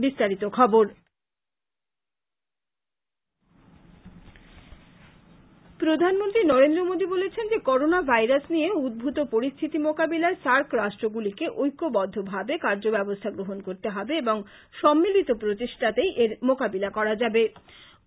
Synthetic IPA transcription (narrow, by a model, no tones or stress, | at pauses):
bist̪aɾit̪okʰɔboɾ | pɾod̪ʱanmont̪ɾinɔɾend̪ɾomod̪ʱibolet͡ɕʰend͡ʑekɔɾonabʱajɾasnijeud̪̚bʱut̪opoɾist̪ʰit̪imokabilaesaɾkɾaʃʈɾoɡulikeʔojkːobɔd̪ʱːobʱabekaɾd͡ʑobɛbost̪ʰaɡɾoɦonkoɾt̪eɦɔbeeboŋ | ʃɔmːilit̪opɾot̪iʃʈʰat̪ejʔeɾmokabilakɔɾad͡ʑabe